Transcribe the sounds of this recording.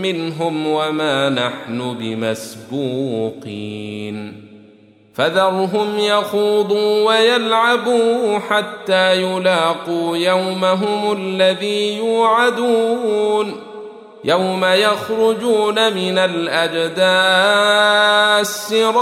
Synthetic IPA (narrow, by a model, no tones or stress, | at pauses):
mɪnɦʊmwamaːnaħnʊbɪmasbuːqiːn | faðɑɾˤɦʊmjɑxuːd̪ˤuːwajalʕabuːħat̪ːaːjʊlaːquːjawmaɦʊmʊlːaðiːjuːʕad̪uːn | jʔawmajaxɾʊd͡ʒuːnamɪnalʔad͡ʒd̪aː | sːɪɾˤ